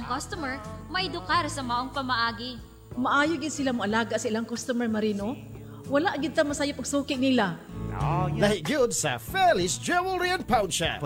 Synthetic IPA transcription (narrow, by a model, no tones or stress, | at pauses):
ɐŋkɔst̪ʊmɛɹmɐjd̪ʊkaɾsɐmɐʔoŋpɐmɐʔaːɡɪ | mɐʔaːjoɡɪd̪̚sɪlamʊʔɐlaːɡaʔsɐʔɪlaŋkost̪omɛɹmɐɾino | wɐlaʔɡɪd̪̚t̪ɐŋmɐsaːjapɐɡ̚suːkɪʔnɪla | laɪt̚ɡʊd̪sɐ̰fɛlɪsd͡ʒɛwəlɹiɐ̃npʰawnt͡ʃɐ̰